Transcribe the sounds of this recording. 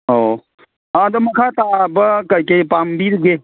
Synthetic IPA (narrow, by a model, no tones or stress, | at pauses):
o | ãd̪ɐmɐkʰaːt̪aːbəkɐkepaːmbiɾɡe